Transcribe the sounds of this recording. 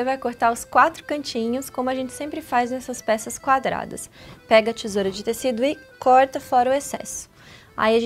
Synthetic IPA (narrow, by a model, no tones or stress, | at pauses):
evajkoɾt̪aɾʊskwat̪ɾʊ̥kɐ̃nt͡ʃĩɲʊskõmʊɐʒẽnt͡ʃɪ̥sẽmpɾɪfaznɛsɐspɛsɐskwad̪ɾa̰d̪ɐ̰spɛɡɐt͡ʃizoɾɐd͡ʒɪt̪esid̪ʊɪkɔɾt̪ɐfɔɾɐʊesɛ̰sʊ̥ | a̰iɐʒẽ